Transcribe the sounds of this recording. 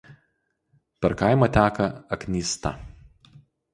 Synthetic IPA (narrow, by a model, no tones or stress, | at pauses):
pʲɛɾkaɪmot̪ʲæːkɐɐknʲiːst̪ɐ̰